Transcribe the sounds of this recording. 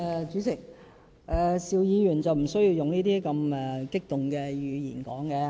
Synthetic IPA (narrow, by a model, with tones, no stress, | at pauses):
ɛː˧t͡ʃyː˨˥t͡sɪ˨k̚ | ʔɛː˨˩siː˨˧wjiː˨˧jyː˨˩nt͡sɐ˨wm̩˨˩sɵ˥ji˧wjʊ˨ŋniː˥t̪iː˥kɐ˧mɛː˨kɪ˥k̚t̪ʊ˨ŋkɛː˧jyː˨˧jḭː˨˩nkɔ̰ː˨˥ŋkɛː˧